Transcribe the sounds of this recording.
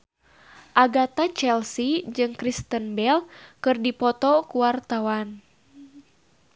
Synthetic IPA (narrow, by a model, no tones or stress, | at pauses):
ʔaɡat̪at͡ʃɛlsid͡ʒɨŋkɾist̪ənbɛlkɨrdipɔt̪ɔkuwart̪awan